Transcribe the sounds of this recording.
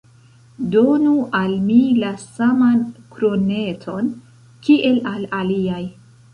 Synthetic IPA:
do̞nuʔalmilasamankɾo̞ne̞tʰo̞n | kiʔe̞lalaliaj

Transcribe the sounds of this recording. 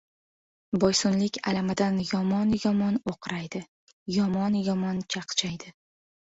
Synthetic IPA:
bɒjsʊnlɪkʲa̰lamad̪anjɒmɒnjɒmɒnoqʰɾajd̪ɪ | jɒmɒnjɒmɒnt͡ʃʰɑqt͡ʃʰajd̪ɪ

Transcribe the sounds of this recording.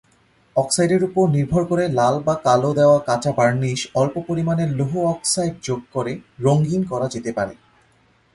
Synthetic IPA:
ɔksajɖeɾupoɾniɾbʱoɾkoɾelalbakalod̪eoakat͡ɕabaɾniʃɔlpopoɾimaneloɦoɔksajɖ̚d͡ʑoɡ̚koɾeɾoŋɡinkɔɾad͡ʑet̪epaɾḛ

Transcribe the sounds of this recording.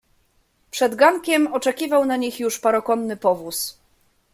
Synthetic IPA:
pʂɛd̪ɡaŋkʲɛmɔt͡ʂɛkʲivawnaɲixjuʂpaɾɔkɔnːɘpɔvus

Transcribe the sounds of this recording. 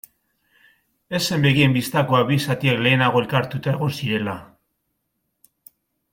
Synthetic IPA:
e̞se̞mbe̞ɣie̞mbist̪ako̞aβisat̪iekle̞ːnaɣ̞o̞e̞lkaɾt̪ut̪ae̞ɣ̞o̞nsiɾe̞la

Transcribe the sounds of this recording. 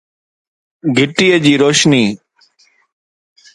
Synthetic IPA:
ɡʱɪʈiːəd͡ʑiːɾoːʃniː

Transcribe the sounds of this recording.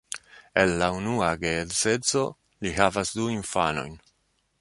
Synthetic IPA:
e̞lːaunuaɡedset͡so̞̰ | liɦavasduiɱfano̞̰jn

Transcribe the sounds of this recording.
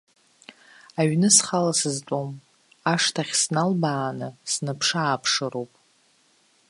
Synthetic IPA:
aɥnɨsχalasɨzt͡pʷʼom | aʂtʰaχʲsnalbaːnɨsnɨpʰʂaːpʰʂɨɾowpʼ

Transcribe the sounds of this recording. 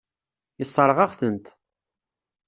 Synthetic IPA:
əsˤːəɾˤʁɑʁθənt̪

